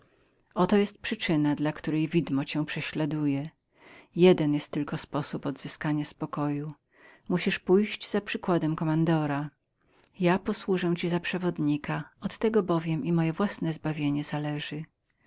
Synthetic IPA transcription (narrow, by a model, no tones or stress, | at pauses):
ʔɔt̪ɔjɛst̪̚pʂɘt͡ʂɘnad̪lakt̪uɾɛjvʲid̪mɔt͡ɕɛ̃w̃pʂɛɕlad̪ujɛ | jɛd̪ɛnjɛst̪ːɘlkɔspɔsupɔd̪z̥ɘskaɲaspɔkɔju | muɕiʂpujʑd͡ʑzapʂɘkwad̪ɛmkɔmand̪ɔɾa | japɔswuʐɛw̃t͡ɕizapʂɛvɔd̪ɲikaɔt̪ːɛɡɔbɔvʲjɛmimɔjɛvwasnɛzbavʲjeɲɛzalɛʐɘ